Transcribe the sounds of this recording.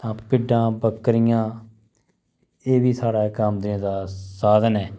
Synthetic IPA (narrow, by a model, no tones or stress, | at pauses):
t̪ãːpɪɖãːbəkːɾɪjãː | eːʋiːsaːɽaːkaːmd̪ɾãd̪aːsaːd̪ənɛː